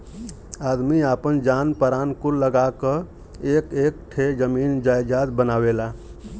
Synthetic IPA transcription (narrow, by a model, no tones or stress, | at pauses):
aːd̪miaːpənd͡ʒaːnpəɾaːnkʊləɡakə | eːkeːk̚ʈʰed͡ʒəmiːnd͡ʒaːjd͡ʒaːd̪bənaːweːlaː